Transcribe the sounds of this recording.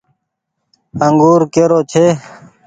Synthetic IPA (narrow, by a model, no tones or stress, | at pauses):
əŋɡuːɾkeːɾoːt͡ʃʰeː